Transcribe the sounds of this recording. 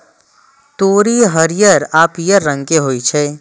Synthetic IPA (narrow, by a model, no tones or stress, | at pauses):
t̪oːɾiɦəɾijəɾaːpijəɾːə̃ŋkeɦoːit͡ʃʰɛː